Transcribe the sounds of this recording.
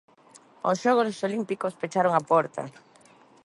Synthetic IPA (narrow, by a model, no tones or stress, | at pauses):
o̰sʃoɣossolimpikospet͡ʃaɾoŋapɔɾt̪ɐ̰